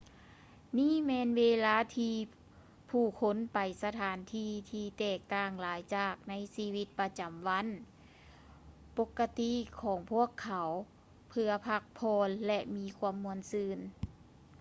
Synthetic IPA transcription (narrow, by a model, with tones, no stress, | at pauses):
niː˥˨mɛː˧nʋeː˧˥laː˧˥˨t̪ʰiː˧ | pʰuː˧˩kʰo˧˥npa˨˩jsa˧t̪ʰaː˩˨˦nt̪ʰiː˧˩t̪ʰiː˧t̪ɛː˨˩k̚t̪aː˧˩ŋlaː˨˦jt͡ɕaː˨˩k̚na˧˥jsiː˧˥ʋi˧˥t̪̚pa˧t͡ɕa˨˩mʋa˧˥˨n | po˧kːa˧t̪i˧˨kʰɔː˨˩˦ŋpʰu˥˩əkʰːa˨˦w | pʰɯ˧ɐpʰa˧k̚pʰɔː˧nlɛ˧miː˧˥kʰu˧əmːu˧ənsɯː˧n